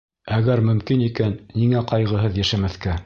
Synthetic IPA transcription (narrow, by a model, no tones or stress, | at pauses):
æɡæɾmɵ̆mkinikænːiŋæqɑjʁɤ̆ɦɤðjæʃæmæθkæ